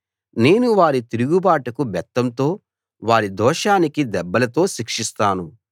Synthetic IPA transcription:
ne̞ːnuʋaːɾit̪iɾuɡubaːʈɐkubɛt̪ːɐmt̪o̞ː | ʋaːɾid̪ɔːʂaːnikid̪ɛbːɐlɐt̪o̞ːʃikʂist̪aːnu

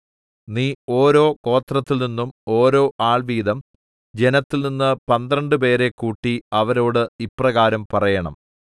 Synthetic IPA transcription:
niːo̞ːɾo̞ːko̞ːt̪rɐt̪ːilninːumo̞ːɾo̞ːʔaːɭʋiːd̪ɐm | d͡ʑe̞nɐt̪ːilninːɨpɐnd̪rɐɳɖɨpe̞ːɾe̞kːuːʈːiɐʋɐɾo̞ːɽɨiprɐɣaːɾɐmpɐrɐjɐɳɐ̰m

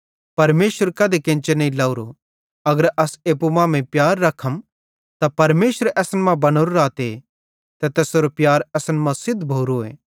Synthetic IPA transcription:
pɐɾmeːsəɾkɐd̪ekɪ̃ːnt͡ʃenɐĩlɐːuɾo | ɐɡəɾʔɐseːp̬umãːmẽpjaːɾːɐkʰəm | t̪apɐɾmeːsəɾɛːsənmãbɐnoːɾɾaːt̪e | t̪ɐt̪ɛːsoːɾopjaːɾɛːsənmɐ̃sɪd̪ʱbʱoːɾoḛː

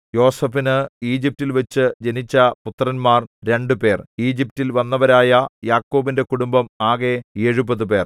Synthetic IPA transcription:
jo̞ːsɐfinɨiːd͡ʑip̚tilʋɐt͡ɕːɨd͡ʑenit͡ɕːɐput̪ːrɐnmaːrɾe̞ɳɖupe̞ːriːd͡ʑip̚tilʋɐnːɐʋɐɾaːjɐjaːkːo̞ːbinde̞kuɽumbɐmaːɣe̞eɻubɐðupe̞ːr

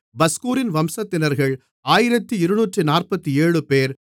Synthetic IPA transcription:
bɐskuːɾɪnʋɐmsɐt̪ːɪnɐɾɣɐɭ | aːjɪɾɐt̪ːɯɪɾɯnuːʈrɯnaːrpɐt̪ːieːɻɯpeːɾ

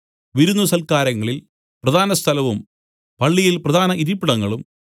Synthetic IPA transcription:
ʋiɾunːusɐlkaːɾɐŋːɐɭil | prɐd̪ʱaːnɐst̪ʰɐlɐʋum | pɐɭːijilprɐd̪ʱaːnɐʔiɾipːiɽɐŋːɐɭum

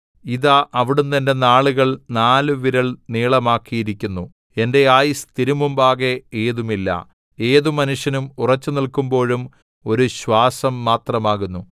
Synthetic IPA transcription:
iðaʔɐʋiɽunːɐnde̞naːɭuɣɐɭnaːluʋiɾɐɭniːɭɐmaːkːijiɾikʲːunːu | e̞nde̞aːjist̪iɾumumbaːɣe̞eːðumilːɐ̰ | e̞ːðumɐnuʂjɐnumurɐt͡ɕːunilkumbo̞ːɻum | o̞ɾuɕwaːsɐmːaːt̪rɐmaːɣunːu

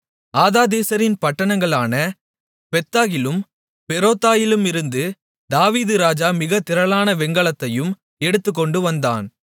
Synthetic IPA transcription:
aːðaːd̪eːsɐɾɪnpɐʈːɐɳɐŋɡɐɭaːnɐ | pɛt̪ːaːɣɪlɯm | pɛɾoːt̪ːaːjɪlɯmɪɾɯnd̪ɯ | d̪aːʋiːðɯɾaːd͡ʒaːmɪɣɐt̪ɪɾɐɭaːnɐʋɛŋɡɐɭɐt̪ːɐjɯm | ɛɽɯt̪ːɯk̬ːɔɳɖɯʋɐnd̪a̰ːn

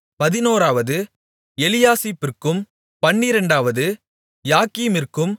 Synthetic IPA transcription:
pɐðɪnoːɾaːʋɐðɯ | ɛlɪjaːsipɪrkɯm | pɐɳːɪɾɐɳɖaːʋɐðɯ | jaːkiːmɪrkɯm

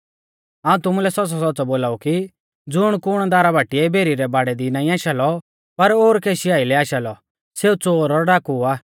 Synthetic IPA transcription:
aːũt̪ʊmulɛsɔtsɔs̬ɔtːt͡sɔboːlaːuki | d͡zʊɽ̃kʊɽ̃d̪aːɾabʱaːʈiɛbʱeːɾiɾɛbaːɽɛd̪inaːĩaːʃalɔ | pɐɾoːɾkeːʃiaːilɛaːʃalɔ | seːut͡soːɾɔɾɖaːkuaː

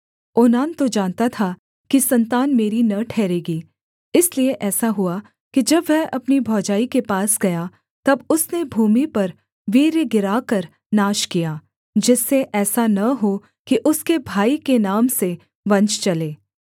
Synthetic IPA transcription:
ʊːnaːnt̪od͡ʒãːnt̪at̪ʰa | kisɐ̃nt̪aːnmeːɾinɐʈʰɛːɾeːɡiː | ɪslieʔɛːsaɦʊa | kid͡ʒɐbʋɛɦɐpnibʱɔːd͡ʒaːikepaːsɡɐja | t̪ɐbʊsnebʱuːmipɐɾ | ʋiːɾeɡɪɾaːkɐɾ | naːʃkijaː | d͡ʒɪsːeʔɛːsanɐɦo | kiʔʊskebʱaːikenaːmse | ʋɐ̃ɲt͡ʃt͡ʃɐleː

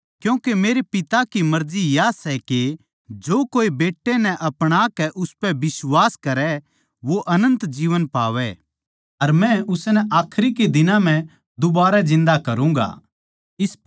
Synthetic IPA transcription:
kjũːkemeːɾepɪt̪akimɐɾd͡ʒijasɛke | d͡ʒoːkoːibeːʈːenɛʔɐpɽ̃akɛʔʊspɛbɪswaːskɐɾɛ | ʋoʔɐnə̃nt̪d͡ʒiːʋənpa̰ːʋɛ | ɐɾmɛ̃ʊsnɛʔaːkʰɾiked̪ɪnãm̤ɛ̃ | d̪ʊbaːɾad͡ʒɪ̃nd̪akɐɾũːŋɡa̰ː | ɪs

